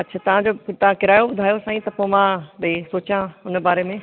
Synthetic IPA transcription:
ɐtːt͡ɕʰaːt̪ɐʋ̤ãd͡ʑot̪ʋãkɪɾaːjoɓʊd̪ʱaːjosãːĩt̪ɐpomãbisoːt͡ɕãʊnbaːɾemẽ

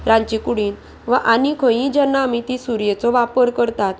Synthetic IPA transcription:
ɾãɲt͡ɕikuɽiːn | ʋaʔanikʰə̃jĩd͡ʑɛnːaːmit̪isuɾjet͡sɔʋapəɾkəɾt̪at̪

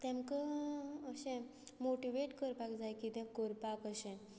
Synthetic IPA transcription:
t̪ɛ̃mkəəɕɛ̃moʈiʋeʈkəɾpakd͡zajkit̪ɛ̃koɾpakəɕɛ̃n

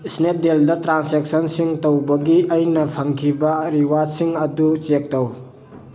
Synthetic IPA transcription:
snep̚deldɐtɾansek̚sɐnsiŋtowbɐɡiɐjnɐpʰɐŋkʰibɐɾiwad͡ʒsiŋɐdut͡ʃek̚tɐw

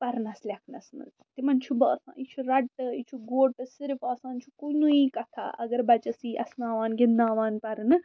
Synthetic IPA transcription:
pɐɾnɐslʲɐkʰnɐsnɨ̰ | t̪imɐnt͡ʃʰubɐːsã̰ːit͡ʃʰuɾɐɖ̚ʈ̪ɨit͡ʃʰuɡoːɽ̚ʈ̪ɐsiɾfaːsãːnt͡ʃʰukunuikɐt̪ʰa̰ʔɐ̰ɡɐɾbɐt͡ʃɐsiːʔɐsnaːʋaːnɡinːaːʋaːnpɐɾnɨ

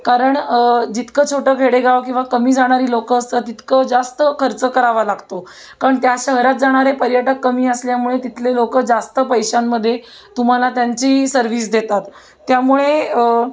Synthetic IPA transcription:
kaɾəɳd͡ʑit̪kət͡ɕʰoʈəːɡʱeɽeɡaʋk̬ĩw̃ʋakəmiːd͡zaɽ̃aɾiːlokəːst̪ət̪it̪kəd͡zast̪əkʰəɾt͡səkəɾaʋalaɡt̪o | kaɾəɳt̪jaɕəɦɾat̪̚d͡zaɽ̃aɾepəɾjəʈəkːəmiːəsljamuɭet̪it̪ʰlelokəd͡zast̪əpəjɕanːəd̪ʱːje | t̪um̤alat̪jaɲt͡ɕiːsəɾʋiːs̬d̪et̪at̪ː | jamuɭeə

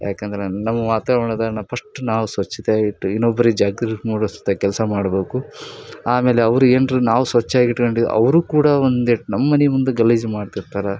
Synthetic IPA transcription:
ja̰ːkend̪ɐɾenɐmːɐʋaːt̪aːʋɐɳɐd̪ɐnɐpʰɐʂʈunaːʋusʋɐt͡ʃːit̪eɡiʈːuinːobːɐɾid͡ʒaːɡɾɐmuːɽost̪ːɐkɛlsɐmaːɽbeːkuaːme̞ːleɐʋɐɾueːnɾunaːʋusʋɐt͡ʃːaːɡiʈkoɳɖid̪ṵʔɐ̰ʋɾuːkuːɽɐond̪eʈnɐmːɐnimund̪uɡɐlid͡ʒmaːɖt̪iɾt̪aːɾɐ

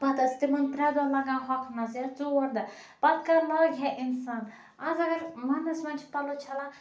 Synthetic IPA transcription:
pɐt̪ɐst̪imɐnpɾʲad̪olɐɡãːɦɔkʰnɐsjat͡suɐɾd̪ɨ | pɐt̪kalɔːɡʲɦɛʔinsaːn | ɐzɐɡɐɾmɐnɐsmɐnt͡ʃʰpɐlot͡ʃʰɐla

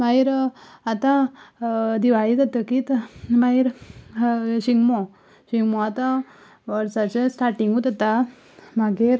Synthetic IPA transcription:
maiɾat̪ã | d̪iʋaɭid̪at̪əkit̪maɦiɾ | ɕiŋɡmɔ | ɕiŋɡmɔat̪ã | ʋəɾsat͡sesʈaɾʈiŋɡut̪at̪a | maɡeɾ

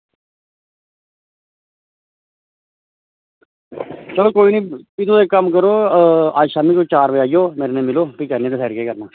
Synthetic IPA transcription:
t͡ʃəloːkoːiːnĩːpɪt̪ʰõːd̪eːkəmkəɾoːaːʃaːmiːkoːt͡ʃaːɾʋəaːijoːmeːɾenẽːmɪloːpiːkəɾnẽːd̪esʰɛːɾkeːkəɾnaː

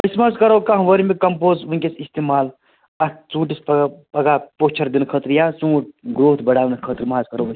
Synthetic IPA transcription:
əsmaːzkɐɾowkaɦʋəɾimekɐmpoːzʋunkesist̪emaːl | ɐt͡sũːʈisppɐɡapoːt͡ʃʰɐɾd̪inkʰət̪ɾijasũːʈ̚ɡɾoːt̪ʰbɐɽaːʋnkʰət̪ɾimɦazkɐɾos

